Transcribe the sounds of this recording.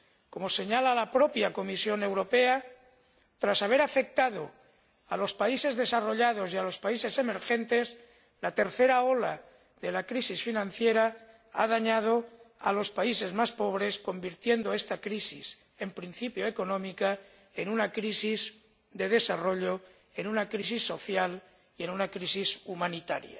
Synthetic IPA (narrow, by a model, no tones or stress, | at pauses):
ko̞mo̞se̞ɲalalapɾo̞pjako̞misjo̞ne̞wɾo̞pe̞a | t̪ɾasaβ̞e̞ɾafe̞k̚t̪að̞o̞ | alo̞spaise̞zðe̞saro̞ʎað̞o̞sialo̞spaise̞se̞me̞ɾxe̞nt̪e̞s | lat̪e̞ɾθe̞ɾao̞la̰ | ðe̞lakɾisisfinãn̟θje̞ɾa | a̰ðaɲað̞o̞a̰lo̞spaise̞zmaspo̞β̞ɾe̞sko̞mbiɾt̪je̞nd̪o̞e̞st̪akɾisis | e̞mpɾin̟θipjoeko̞nõ̞mika | enunakɾisiz | d̪e̞ðe̞saro̞ʎo̞ | e̞nunakɾis̬isːo̞θjal | ie̞nunakɾisisumãnit̪a̰ɾja̰